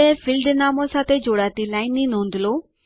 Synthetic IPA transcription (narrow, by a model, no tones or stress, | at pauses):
efɪlɖnaːmõsãt̪ed͡ʑoːɽaːt̪ilaːɪ̃nĩnɦũːnd̪ɪlo